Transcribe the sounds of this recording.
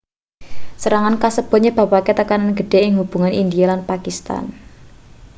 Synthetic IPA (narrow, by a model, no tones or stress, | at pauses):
səɾaŋankasəb̥ɔ̤ɲeb̥a̤paket̪əkananɡə̤ɖ̥e̤ɪŋɦub̥ṳŋanʔind̪ijalanpakist̪a̰n